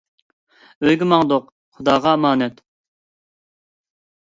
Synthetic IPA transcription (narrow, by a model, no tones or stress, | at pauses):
øjɡʲimɑŋd̪oq | χʊd̪ɑːʁɑmɑːnɛt̪